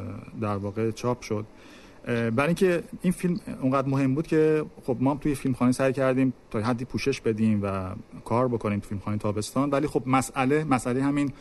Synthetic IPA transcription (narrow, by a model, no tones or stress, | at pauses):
d̪æɾvɒːɣe̞t͡ʃʰɒːpʰʃo̞d̪ | bæɾiŋcʰe̞infilmuŋɡæd̪ɾmoɦe̞mbuːd̪̥cʰe̞xo̞bmɒːhæmt̪ʰujefilmxɒːnisæjcʰæɾd̪iːmt̪ʰɒːjɦæd̪ːiːpʰuːʃe̞ʃbe̞d̪iːmvækʰɒːɾbokʰo̞niːmfilmxɒːnejet̪ʰɒːbe̞st̪ɒːnvæliːxo̞bmæsʔæle̞mæsʔælejhæmin